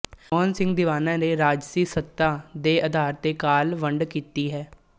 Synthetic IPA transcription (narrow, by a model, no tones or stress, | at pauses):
moːənsɪ̃ŋɡd̪ɪʋaːnãːneːɾaːd͡ʒsiːsət̪ːaːd̪eːʔəd̪ʱaːɾt̪eːkaːlʋəɳɖkiːt̪iːɦɛː